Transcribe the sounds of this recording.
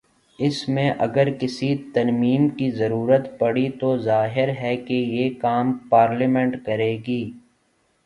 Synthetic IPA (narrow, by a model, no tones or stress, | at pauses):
ɪsmẽʔɐɡəɾkɪsit̪ɐɾmiːmkizɐɾuːɾət̪pɐɽit̪ozaːɦɪɾɦɛkejeːkaːmpaːɾlimɛ̃ɳʈkɐɾeːɡiː